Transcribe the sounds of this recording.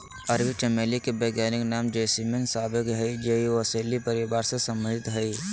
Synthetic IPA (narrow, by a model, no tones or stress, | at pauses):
ɐɾʋiʈeːmeːlikebeːɡjaːnɪknaːmd͡ʒeːsimensaːbɪkɦɐid͡ʒeioɐseːlːipəɾɪbaːɾsesɐ̃mɾɪt̪ɦəi